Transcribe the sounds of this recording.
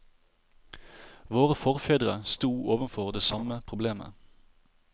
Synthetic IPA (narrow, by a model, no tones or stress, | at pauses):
ʋoːʁəfɔʁfeːd̪ʁəst̪uːʔoːʋənfɔʁd̪eːsɑməpʰʁʊbleːmə̰